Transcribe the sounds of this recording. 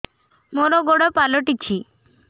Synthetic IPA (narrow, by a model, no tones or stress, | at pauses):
moɾɔɡoɽɔpalɔʈit͡ɕʰi